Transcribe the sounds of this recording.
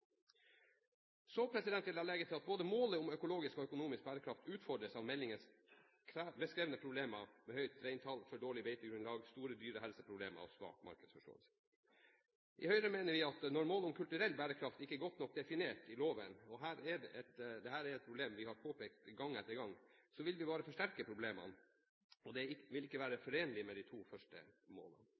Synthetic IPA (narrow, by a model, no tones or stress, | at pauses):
sopʰɾɛsɪd̪ɛnt̪ːɪlɑːlɛɡət̪ʰɪlɑt̪̚boːd̪əmoːləʊmœkʊloːɡɪskɔœkʊnuːmɪsk̚bæːɾəkʰɾɑft̪ʉːt̪fɔɖɾəsɑʋmɛlːɪŋəs | kʰɾæbəskɾeːʋənəpʰɾʊbleːmɑmɛhœʏt̪ɾeɪnt̪ʰɑlfɔɖoːɭɪbeɪt̪əɡɾʉnlɑːɡst̪uːɾəd̪yːɾəɦɛlsəpʰɾʊblḛːmə̰ɑ̰ʋsʋɑ̰ːkmɑ̰ɾkəd̪sfɔʂʈo̰ːə̰lsə̥ | ʔɪhœʏɾəmeːnəɾʋɪɑt̪nɔɾmoːlɔmkʰʉlt̪ʉɾɛlːbæːɾəkʰɾɑft̪ɪkːəɡɔt̪ːnɔk̚ːd̪ɛfɪneːʈɪloːʋənɔɦæːɾɛɖɛʔɛt̪d̪ɛhæːɾɛɾɛt̪̚pʰɾʊbleːmʋɪhɑɾpʰoːpeːk̚t̪ɡɑŋːɛt̪ːəɾɡɑŋːsɔʋɪlʋɪbɑːɾəfɔʂʈæɾkəpʰɾʊbleːmə̰n | ɔd̪ɛɪʋɪlɪkːəʋæːɾəfɔɾeːnəlɪmɛd̪ɪt̪ʰuːfœʂʈə̰mo̰ːlə̰n